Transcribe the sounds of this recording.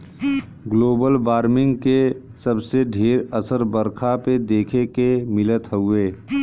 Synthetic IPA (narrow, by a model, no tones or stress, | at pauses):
ɡloːbəlbaːɾmɪ̃ŋɡke | səbseɖʱeːɾəsəɾbəɾkʰaped̪eːkʰekemɪlət̪ɦəʊeː